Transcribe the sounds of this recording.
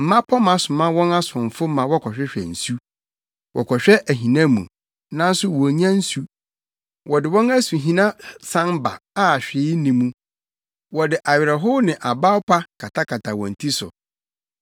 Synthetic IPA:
m̩˨mã˦pʰɔ˦mã˦sʊ˨mã˦wɔ̃˦na˦sʊ̃˨ɱ˨fʊ˦mã˨wɔ˦kʰɔ˨ɕᶣɛ˦ɕᶣɛ̰˨n̩˨su˦ | wɔ̰˨kʰɔ˨ɕᶣɛ˦ʔæ˨ɦĩ˨nã˦mṵ̃˨ | nã˦n˦sʊ˦wɔ˨ɲã˦n̩˦su˦ | wɔ˨dɪ˨wɔ̃˦næ˦su˨ɦĩ˦nã˦sã˦m˦ba̰˨a˦˨ɕᶣɪ˨˦nĩ˨mũ˦ | wɔ˨dɪ˨ʔa˨ɥɪ˨ɾɛ˨ɦo˦nɪ̃˨ʔa˨ba˦pʰa˦kʰa˨tʰa˦kʰa˨tʰa˨wɔ̰̃˨n̩˨tʰi˦sʊ̰˨

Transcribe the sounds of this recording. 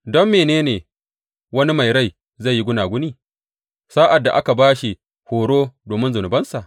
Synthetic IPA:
dɔ˦mːeː˨neː˦neː˨ | wɐ˦ni˦ma˨jɾa˦˨j | za˦˨jːi˦ɡʷʊ˦naː˨ɡʷʊ˦niː˦˨ | saː˦ʔa˨dːa˨ʔa˦ka˨baː˦ʃi˨ | hoː˨ɽoː˦doː˨mɪ˦nzʊ˨nʊ˨bɐ˦nsa˨ʔ

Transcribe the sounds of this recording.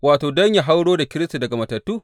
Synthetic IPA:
waː˨toː˨dɔ˦ɲja˨ɦa˦wɽoː˦da˨kʲɪ˦ɾɪ˦sta˨dɐ˨ɡa˨mɐ˨tɐ˨tːuː˦

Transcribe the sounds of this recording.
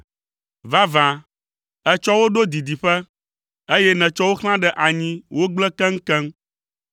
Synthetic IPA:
va˦vã˨ | ɛ˦t͡ʃɔ˦wo˦ɖo˦d̪i˨d̪i˨ɸɛ˦ | e˦jɛ˦nɛ̃˨t͡ʃɔ˦wo˦xl̃ã˦ɖɛ˨ʔa˨ɲĩ˦wo˦ɡ͡blɛ˦kɛ̃˦ŋ̩˦kɛ̃˦m

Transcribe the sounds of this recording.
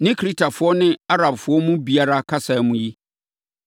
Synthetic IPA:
nɪ̃˦kʰɾi˦tʰa˨fʊ˦ɔ˦nɪ̃˦a˦ɾa˨bfʊ˨˦ɔ˦mʊ̃˦bi˨a˦ɾa˦kʰa˦sa˨ɛ˨˦mʊ̃˦ji˦

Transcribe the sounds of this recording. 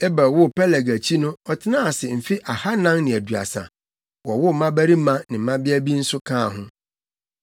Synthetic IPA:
ɛ˦ba˨wʊ˦pʰɛ˦lɛ˨ɡæ˨t͡ɕʰi˦nʊ̃˦ɔ˨tʰɪ˦nã˦a˨sɪ˨m̩˨fi˦ʔa˨ha˦nã˦ŋnɪ̃˨æ˨du˨a̰˨sã̰˨ | wɔ˨wʊ˦˨mã˦bæ˦ɾi˦mã˦nɪ̃˨m̩˦mã˦bɪ˦æ˦bi˦n̩˦sʊ˦kʰãː˦˨ɦʊ̃˦

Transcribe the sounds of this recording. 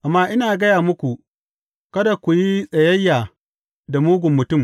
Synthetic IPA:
ʔa˨mːaː˦ʔɪ˦naː˨ɡɐ˦jaː˨mʊ˦kʷu˨ | kɐ˦da˨kʷu˨ji˦sʼɐ˨jɐ˦jːaː˨ | da˨muː˦ɡʷʊ˨mːʊ˨tʊ˦˨m

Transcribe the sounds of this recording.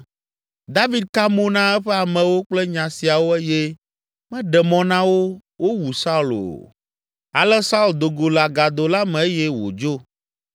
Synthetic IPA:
d̪a˦vi˦d̪̚ka˦mõ˦nã˦ɛ˦ɸɛ˦a˨mɛ̃˨wo˦k͡plɛ˦ɲã˨si˨a˨wo˦ɛ˦jɛ˦ | mɛ̃˦ɖɛ˨mɔ̃˨nã˦wo˦wo˦wu˨sa˦u˨lo̰˨ | a̰˨lɛ˦sa˦u˦˨ld̪o˨ɡo˨la˨ɡa˨d̪o˨la˦mɛ̃˨e˦jɛ˦wo̰˨d͡ʒo˦

